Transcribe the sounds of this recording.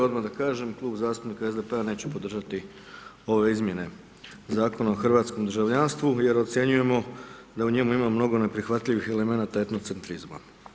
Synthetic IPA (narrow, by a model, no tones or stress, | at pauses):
od̪mad̪akaːʒe̞mklˠuːbzaːst̪upnikaezd̪epeane̞ːt͡ɕepo̞d̪r̩ʒat̪i | o̞ʋe̞izmʲje̞ne̞ | zaːko̞naoxrʋaːt̪sko̞md̪ər̩ʒaʋʎanst̪ʋuje̞ɾo̞t̪sje̞ɲuje̞mo̞d̪auɲe̞muimamno̞ɡo̞ne̞pɾixʋat̪ʎiʋixe̞le̞me̞naːt̪aet̪no̞t̪se̞nt̪ɾizma̰